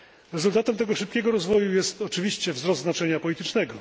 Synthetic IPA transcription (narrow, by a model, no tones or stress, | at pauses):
ɾɛzult̪at̪ɛmt̪ɛɡɔʂɘp̚kʲɛɡɔɾɔzvɔjujɛst̪ɔt͡ʂɘvʲiɕt͡ɕɛvzɾɔst̪znat͡ʂɛɲapɔlʲit̪ɘt͡ʂnɛɡɔ